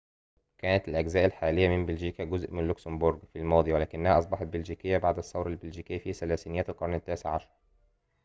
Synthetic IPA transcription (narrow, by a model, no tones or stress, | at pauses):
kæːnæt̪ælʔæɡzæːʔælħaːlɪjːæmɪmbelʒiːkæɡʊzʔmɪnlʊksɪmboɾɡfilmɑːd̪ˤiwælæːkɪnːæhæʔɑsˤbɑħɑt̪̚belʒiːkɪjːæbaʕd̪æsˤːɑwɾˤælbelʒiːkɪjːfisælæːsinɪjæːt̪lqɑɾˤnɪt̪ːæːseʕɑʃɑɾˤ